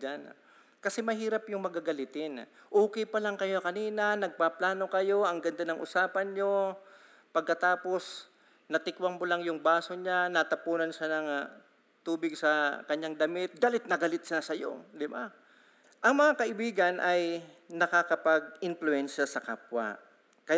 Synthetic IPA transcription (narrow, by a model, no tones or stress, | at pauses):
d͡ʒan | kɐsɛmɐhiːɾɐpjʊŋmɐɡaɡɐlɪt̪ɪnʔoːkɛjpɐlɐŋkɐjo̞kɐniːnɐnɐɡ̚paplaːno̞kɐjo̞ʔɐŋɡɐnd̪anɐŋʔʊsaːpɐnɲo̞ | pɐɡ̚kːɐt̪aːpo̞s | nɐt̪ɪkwaŋmolaŋjʊŋbaːso̞ɲanɐt̪ɐpuːnɐnʃanɐŋ | t̪uːbɪɡsɐkɐɲːaŋd̪ɐmɪt̪̚ɡalɪt̪̚nɐɡɐlɪt̪̚sɪnasɐjo̞̰d̪ɪba | ʔɐŋmɐŋakɐʔɪbiːɡɐnʔɐj | nɐkakɐpɐɡ̚ʔɪnfluɛnʃɐsɐka̰ːpwa̰ | kɐj